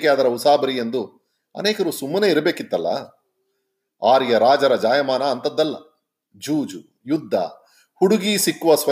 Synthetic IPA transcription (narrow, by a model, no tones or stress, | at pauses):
kejaːd̪ɐɾɐusaːbɐɾijend̪u | ɐ̰neːkɐɾuːsumːɐne̞ːiɾɐbe̞ːkit̪ːɐlːɐ̰ | aːɾjɐɾaːd͡ʒɐɾɐd͡ʒaːjɐmaːnaːnt̪ɐd̪ːɐlːɐ̰ | d͡ʒuːd͡ʒu | jud̪ʱːɐ̰ | huɽuɡisikːuʋɐsʋɐ